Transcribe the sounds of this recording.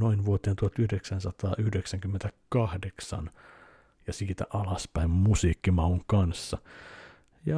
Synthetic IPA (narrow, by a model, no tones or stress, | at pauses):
noinʋuot̪eːnt̪uhɑt̪yhdeksænsɑt̪ɑːʔyhdeksæŋkymːent̪ækɑhdeksɑ̰n | jɑsiːt̪æ̰ʔɑlɑspæimmusiːkːimɑuŋkɑnsːɑ | jɑ